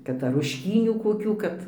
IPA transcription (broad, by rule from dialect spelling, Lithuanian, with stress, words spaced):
ˈkɐt ɐr rʊʃʲˈkʲiːnʲuː koːˈkʲuː ˈkɐt